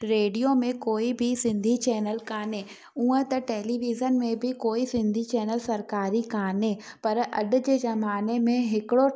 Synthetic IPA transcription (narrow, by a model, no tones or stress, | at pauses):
ɾeːɖijomẽkoːibʱɪsɪ̃nd̪ʱit͡ɕɛːnəlkaːn̤e | uːə̃t̪ɐʈeːliʋizənmẽbʱɪkoːisɪ̃nd̪ʱit͡ɕɛːnəlsɐɾkaːɾikaːne | pɐɾʔɐ̰ɗʊ̆d͡ʑeːzɐmaːnemẽɦɪkɪɽo